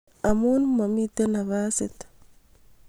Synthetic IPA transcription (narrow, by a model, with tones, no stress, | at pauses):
a˨mu˦nma˨mi˦te˦na˨βa˦set